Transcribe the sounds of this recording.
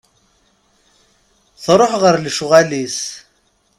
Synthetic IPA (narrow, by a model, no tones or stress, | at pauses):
θɾˤoħʁəɾlʃʊʁælis